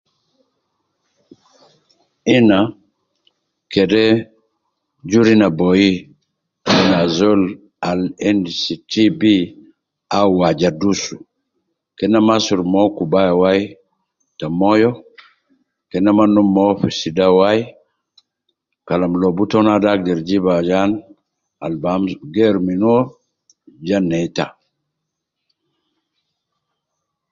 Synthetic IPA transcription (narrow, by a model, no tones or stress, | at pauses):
ina | kɛdɛ | d͡ʒuɾinabɔji | kɛnazol | alɛndsitibi | awad͡ʒadusu | kɛnamasuɾmɔkubajawaj | tamɔjɔ | kɛnamanːumːɔfisidawaj | kalamlɔbutɔnadak̚dɛɾd͡ʒibad͡ʒan | albamsɡɛɾminɔ | d͡ʒanːɛjta